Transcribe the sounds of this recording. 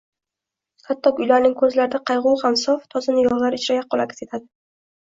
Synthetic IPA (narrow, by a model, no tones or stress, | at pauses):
kʰat̪ʰːɒkʊjlaɾnɪŋkʰɵzlaɾɪd̪aqʰɑjʁʊwhamsɒft̪ʰɒzɪnɪjɒʁlˠaɾɪt͡ʃɾajaq̚ʰːɒlˠaɡʲɪ̥se̞t̪ʰad̪ɪ